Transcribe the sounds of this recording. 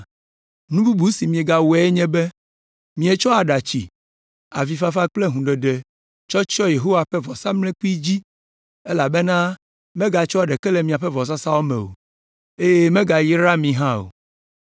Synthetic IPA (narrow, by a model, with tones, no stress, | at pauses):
nũ˦bu˦bu˨˦si˨mĩ˨e˨ɡa˨wɛ˨˦e˦ɲɛ̃˦bɛ˦ | mĩ˦e˨t͡ʃɔ˦a˨ɖa˨t͡ɕi˨ | a̰˨vi˨fa˦fa˦k͡ple˦ɦũ˨ɖe˨ɖɛ˨ | t͡ʃɔ˦t͡ʃɔ˦je˨ɦo˦wa˨ɸɛ˦vɔ˨sa˦mlɛ̃˦k͡pi˦d͡ʑi˦ | ɛ˦la˨bɛ˦nã˦ | mɛ̃˦ɡa˨t͡ʃɔ˦a˨ɖɛ˨kɛ˦lɛ˨mĩ˨a˨ɸɛ˦vɔ˨s̬a˦sa˦wo˦mɛ̰̃˨wo̰˨ | e˦je˦mẽ˦ɡa˨ji˦ɾa˦mĩ˨ɦã˦o̰˨